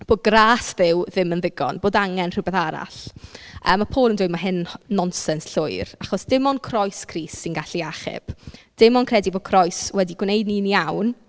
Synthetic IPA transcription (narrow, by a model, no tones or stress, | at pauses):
b̥oːd̚ɡraːsðɪwðɪmənðɪɡɔ̰nboːdaŋɛnr̥ɪwbɛðaɾa̰ɬə̰ːmapʰoːlˠəndʊɨmaɦɪnːɔnsɛnsɬʊɨɾaχɔsd̥ɪmɔnkʰrɔjskʰriːsːɪnɡaɬiaχɪ̰b̥d̥ɪmɔnkʰrɛdiboːd̥̚kʰrɔjswɛdiɡwnejdniniawn